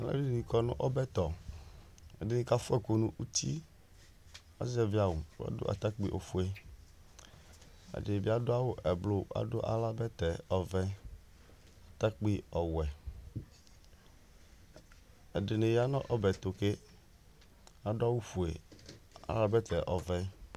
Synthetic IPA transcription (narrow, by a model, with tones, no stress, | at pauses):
a˨lɛ̰˦bi˦n˨ĩ˨kɔ˦nʊ̃˦ʔɔ˦bɛ˦t̪ɔ˨ | ɛ˨dɪ˨nɪ̃˨ka˦fʊ˦ɛ˦ko˨nũ˨ʔu˦t̪i˦ | ɔ̰˦zɛ˦vi˦a˨wʊ˨wa̰˦dʊ̰˦ʔa̰˨t̪a˦k͡pi˦ʔo˨fu˦e˦ | ɛ̰˨dɪ˨bi˦a˦dʊ˦a˦wʊ˦ʔɛ˨blʊ˦a̰˦dʊ˦ʔa̰˦la˦bɛ˦t̪ɛ˨ɔ˨vɛ˦ | a˨t̪a˦k͡pi˦ɔ˨wɛ˨ | ɛ˨dɪ˨nɪ̃˨ja˦nɔ̰̃˦ʔɔ˦bɛ˨t̪o˨ke˦ | a˨dʊ˦a˦wu˦fu˨e˨ | a̰˨la˦bɛ˦t̪ɛ˨ʔɔ˨vɛ˦